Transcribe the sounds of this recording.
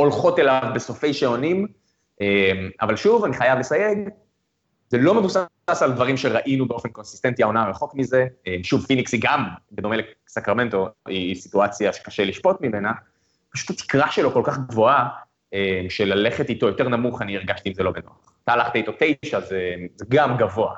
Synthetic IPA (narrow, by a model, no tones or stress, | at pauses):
o̞lχo̞te̞lavbeso̞fe̞jʃeo̞nim | ʔema̰valʃuvaniχajavlesajeɡ | zelomevus | asaldvaʁimʃeʁaʔinubeo̞fe̞nko̞nsi̥st̪entiaonaʁeχo̞kmize̞emʃuvfiniksiɡambedo̞melek | sakʁame̞nto̞ʔisituat͡sjaʃe̥kaʃeliʃpo̞tmime̞na | paʃu̥tat̪i̥kʁaʃe̞lo̞ko̞lkaχɡvo̞a | emʃelale̞χetito̞jote̞ʁnamuχaniiʁɡaʃt̪iːmzelo̞beno̰a̰χt̪aːlaχt̪aito̞tejʃazemzeɡamɡavo̞a̰